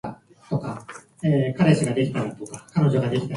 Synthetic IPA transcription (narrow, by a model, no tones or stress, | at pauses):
t̪o̞ka | eːkaɾe̞ɕiɡad̪e̞kʲi̥t̪ait̪o̞kakano̞ʑo̞ɡad̪e̞kʲi̥t̪a